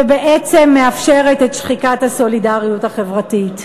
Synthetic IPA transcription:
ebeʔet͡semːeafʃeʁetetʃχikathaso̞lidaʁijuthaχe̞vʁatit

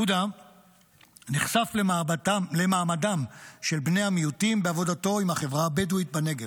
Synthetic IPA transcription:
uda | niχsafl | lemaːmadamʃe̞lbne̞jhamijutimbeavo̞dato̞imhaχevʁaːbeduit̚bane̞ɡe

